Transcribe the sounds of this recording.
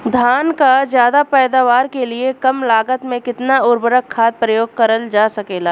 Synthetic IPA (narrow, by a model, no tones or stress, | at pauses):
d̪ʱaːnkazjaːd̪apɛːd̪aːʋaːɾkeliekɐmlaːɡət̪mẽkɪt̪naʊɾbəɾəkʰːaːt̪̚pɾɐjoːɡ̚kɐɾəld͡ʒaːsɐkeːlaː